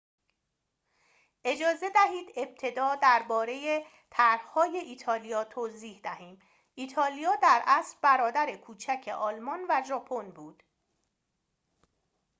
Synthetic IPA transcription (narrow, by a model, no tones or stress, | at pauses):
ʔe̞d͡ʒɒːze̞d̪æɦiːd̪e̞b̥̚t̪ʰe̞d̪ɒːd̪æɾbɒːɾe̞je | t̪ʰæɾhhɒːje̞ʔiːt̪ʰɒːlijɒːt̪ʰoziːhd̪æhiːm | ʔiːt̪ʰɒːlijɒːd̪æɾʔæsɾbæɾɒːd̪æɾe̞kʰuːt͡ʃʰæcʰe̞ʔɒːlmɒnvæʒɒːpʰo̞nbuːd̪̥